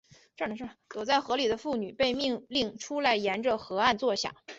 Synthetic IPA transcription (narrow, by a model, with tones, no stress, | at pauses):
ʈ͡ʂə˥˩ʂt̪wɔ˨˩t͡sa˥˩ɪxɤ˧˥li˨˩d̪ə˦fu˥˩ny˨˩pe˥˧ɪmi˥˧ŋli˥˩ŋʈ͡ʂʰu˥la˧˥˩ɪjɛ˧˥nʈ͡ʂə˧xɤ˧˥a˥˧nt͡swɔ˥˩ɕjɑ̰˨˩˦